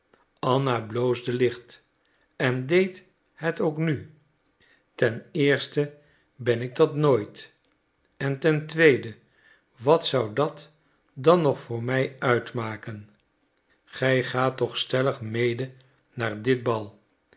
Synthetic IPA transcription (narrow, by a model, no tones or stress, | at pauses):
ɑnablowzdəlɪχt | ɛndejt | hɛtowkny | tɛnɪːɹstə | bɛnɪɡ̚dɑtnojt | ɛntɛntʋejdə | ʋɑtsʌwdɑt | dɑnɔχfʊːɹmɛjœɥtmaːkən | χɛjχaːtɔχstɛləχmejdə | naːɹdɪd̚bɑlˠ